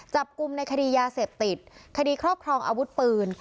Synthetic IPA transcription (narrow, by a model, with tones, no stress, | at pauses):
t͡ɕa˨˩p̚ku˧mna˧jkʰa˧diː˧jaː˧se˨˩p̚t̪i˨˩t̪̚kʰa˧diː˧kʰɾɔː˥˩p̚kʰɾɔː˧ŋʔa̰ː˧wu˦˥t̪̚pɯː˧n